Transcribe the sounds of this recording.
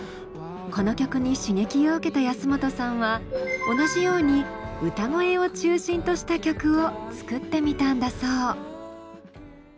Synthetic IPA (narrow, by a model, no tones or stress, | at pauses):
ko̞no̞kʲo̞kɯ̟ɲ̟iɕiŋe̞kʲio̞ɯ̟ke̞t̪ajasɨmo̞t̪o̞sãɰ̃βao̞naʑijo̞ːɲ̟iɯ̟t̪aŋo̞e̞o̞t͡ɕɨːɕĩnt̪o̞ɕi̥t̪akʲo̞kɯ̟o̞t͡sɨ̥kɯ̟t̪ːe̞mʲit̪ãnd̪asoː